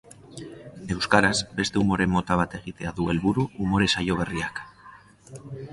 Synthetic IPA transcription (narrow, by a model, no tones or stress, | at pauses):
d̪eβuskaɾazbe̞st̪eumoɾemot̪aβat̪eɣit̪eaðuelβuɾuumoɾesajoβ̞eriakḁ